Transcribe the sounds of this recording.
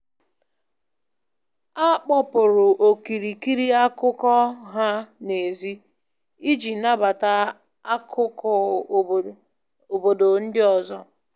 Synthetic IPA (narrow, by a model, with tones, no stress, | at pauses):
a˦k͡pɔ˦pʊ˨ɾʊ˨ʔo˨ki˨ɾi˨ki˦ɾi˦a˦kʊ˦kɔ˦ɦa˦ne˨zi˦ | i˦d͡ʒi˨˦na˦ba˨ta˦ | a˦kʊ˦kɔ˦ | o˨bo˨do˨n̩˦dɪ˦ɔ˨zɔ˦